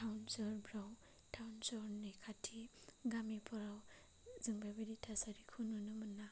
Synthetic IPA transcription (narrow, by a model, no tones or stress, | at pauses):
tʰawnsɔɾbɾaw | tʰawnsɔɾnejkʰatʰiɡamipʰɔɾaw | zɯŋbabiditʰasaɾikʰununɯmɯnːa